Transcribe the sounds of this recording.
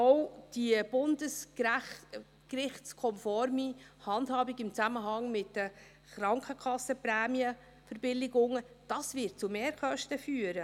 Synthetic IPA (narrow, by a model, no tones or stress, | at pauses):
ɔwd̥iəb̥ʊndəs | krɪχtt͡skʰɔmfɔɾmihɑndhɑːbɪɡɪmt͡sæməɦɑŋmɪtdə | χɾɑŋkχəkʰɑsːəpɾæːmiə | fəɾb̥ɪlɪɡʊŋːə | d̥ɑsvɪt̚t͡sumeːɾkœʃtəfyːəɾə